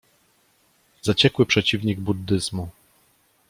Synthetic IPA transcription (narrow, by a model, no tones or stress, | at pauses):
zat͡ɕɛkwɘpʂɛt͡ɕivɲiɡ̚bud̪ːɘzmu